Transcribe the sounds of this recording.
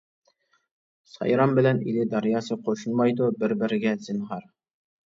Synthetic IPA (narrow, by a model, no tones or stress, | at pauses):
sɑ̰jɾɑmbɘ̆lænḭlɘd̪ɑɾjɑsɤqoʃɤnmɑjd̪obɘ̆ɾbɘ̆ɾɘ̆ɡæzĭnɦɑɾ